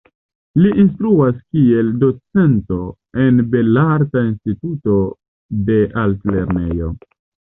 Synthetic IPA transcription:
liʔinstɾuaskie̞ldo̞t͡se̞nto̞ | e̞nbe̞laɾtainstituto̞ | de̞ʔaltle̞ɾne̞jo̞̰

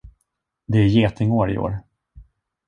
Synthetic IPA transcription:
d̪ɛæɾjeːt̪ʰɪŋoːɾɪ̰o̰ːɾ

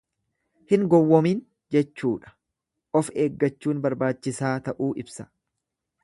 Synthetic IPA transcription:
hɪŋɡɔwːɔmiːn | d͡ʒɛt͡ʃːuːᶑɐ̥ | ʔɔfe̞ːɡːɐt͡ʃːuːnbɐɾbaːt͡ʃːɪsaːt̪ɐʔuːʔɪbsɐ̥

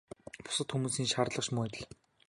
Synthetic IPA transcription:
pʊ̥sə̆t̪xumuːsiːnʃarɮə̆χʃmʊːt̪̆ɮ

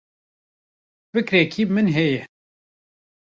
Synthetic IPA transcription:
vɨkɾekʰiːmɨnɦɛjɛ

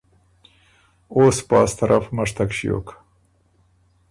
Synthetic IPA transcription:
oːspɑ̰ːst̪aɾʔafmaʂt̪akʃijo̰k

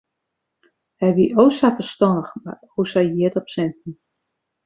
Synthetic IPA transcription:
hɛjʋiʔosafərstɔndəxma̰husajjiətɔpsɛntn̩

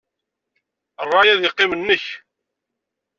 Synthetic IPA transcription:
ərˤːɑjæðjɪqːɪmənːəç

